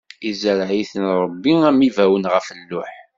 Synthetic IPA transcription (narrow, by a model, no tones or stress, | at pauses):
izəɾʕiθənɾˤəbːiæmivæwənʁəfənːʊħ